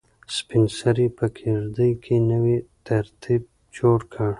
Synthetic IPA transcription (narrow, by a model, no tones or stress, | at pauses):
spɪnsaɾipəkʰiɾd̪əjkʰenəwit̪aɾt̪ʰib̚ | d͡ʒoɽkʰəɽ